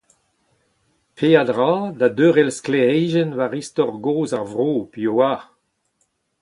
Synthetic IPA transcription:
pʰeːad̪ʁaːdadøːʁɛlskleɛjʒɛnvaʁistɔʁɡoːzaʁvʁoːpioa

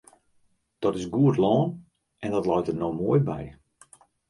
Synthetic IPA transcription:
d̥ɔtɪsɡuətlɔːn | ɛndɔtlɔjtərnomoəjbɛ̰j

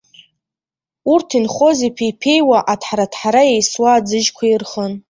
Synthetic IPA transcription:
urtʰinχo̞zipʰijpʰe̞jwaʔatʰħaɾatʰħaɾajejswaːd͡zɨʒkʷʰairχən

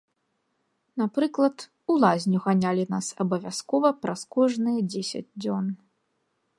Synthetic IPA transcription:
napɾɨklˠɐt̪ | ulˠazʲnʲuɣanʲalʲinasɐbɐvʲaskɔvɐpɾɐskɔʐnɨjɐd͡zʲesʲɐ̰d͡zʲd͡zʲɔn

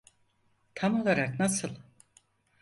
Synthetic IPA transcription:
t̪ʰamo̞lˠaɾaknasɯlˠ

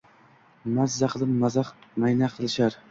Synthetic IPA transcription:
mazːaqʰlˠɨpmazmajnaqʰɨlˠɪʃaɾ

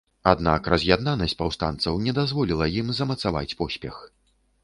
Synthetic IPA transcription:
ad̪nakrɐzʲjad̪nanɐsʲt͡sʲpawst̪a̰nt̪sɐwnʲɛd̪azvɔlʲilˠɐjimzɐmɐt̪sava̰t͡sʲpɔsʲpʲɛx

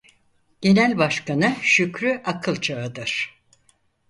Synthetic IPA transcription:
ɟ̥e̞nælʲbaʃkanɯʃycɾyʔakʰɯlˠt͡ʃʰaɯd̪ɯɾ̥

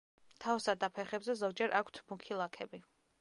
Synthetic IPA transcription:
t̪ʰawsad̪apʰɛχɛbzɛzɔɡ̚d͡ʒɛɾʔakʷʰt̪ʰmukʰilˠakʰɛbi

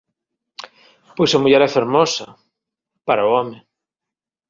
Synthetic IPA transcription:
pojsamuʎɛɾɛfeɾmɔsɐ | paɾaʊɔmɪ

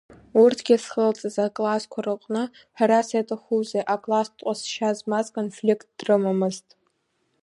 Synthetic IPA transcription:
urtʰɡʲasχəlt͡sʼɨzakʼlaskʷʰarɨqʼnɨ | ħᶣaɾasajtʰʼaχuzeʔakʼlastʼqʷʼasʃazmazkʰʼonflikt̚ʰd̥rɨmamɨztʼ

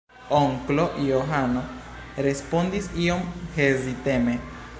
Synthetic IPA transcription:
oŋklo̞ʔioɦano | ɾe̞spondisio̞mhe̞zit̪e̞me

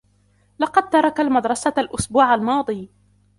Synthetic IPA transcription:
lɑqɑd̪̚t̪ɑɾˤɑkalmad̪ɾˤɑsalʔʊsbuːʕalmɑːd̪ˤiː

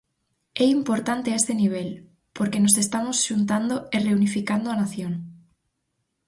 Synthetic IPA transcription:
ɛimpoɾt̪ant̪eaest̪eniβ̞el | poɾkenosest̪amosʃunt̪̬and̪oereunifikand̪oanaθjoŋ

